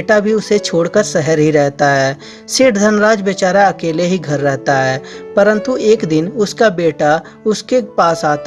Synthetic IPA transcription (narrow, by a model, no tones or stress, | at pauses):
ʈabʱiʊset͡ʃʰoːɽkəɾsɛɦəɾɦiɾɛɦt̪aɦɛː | sɪʈʰd̪ʱənɾaːd͡ʒbet͡ʃaːɾaɐkeːleɦiɡʱɐɾːɛɦt̪aɦɛːpəɾə̃nt̪ueːkd̪ɪnʊskabeːʈa | ʊskepaːsaːt̪